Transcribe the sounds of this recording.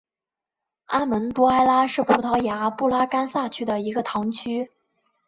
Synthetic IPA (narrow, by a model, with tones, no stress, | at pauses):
a˥mə˧˥nt̪u˥a˥ɪla˥ʂɻ̩˥˧pu˥˩t̪ʰɑ˧˥ʊja˧˥pu˥˩la˥ka˥nsa˥˩t͡ɕʰy˥d̪ə˨i˧˥ɡə˧t̪ʰɑ˧˥ŋt͡ɕʰy˥